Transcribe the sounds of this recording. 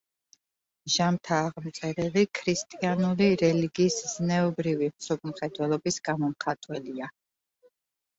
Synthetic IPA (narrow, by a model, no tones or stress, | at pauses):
ʒamt̪ʰaːʁmt̪sʼɛɾɛlikʰɾist̪ʼianuliɾɛliɡiːsznɛɔbɾivimsɔp̚ʰmχɛd̪wɛlˠɔbisɡ̥amɔmχat̪ʼwɛlia